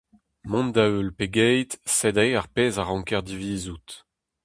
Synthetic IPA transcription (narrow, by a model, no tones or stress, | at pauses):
mɔ̃ndaølpeɡɛjt̪sɛdeaʁpeːzaʁɑ̃ŋkɛʁd̪iviːzut̪